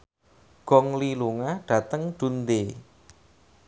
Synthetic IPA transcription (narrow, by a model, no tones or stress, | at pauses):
ɡ̥ɔŋliluŋaɖ̥a̤t̪əŋɖ̪̥ṳnd̪e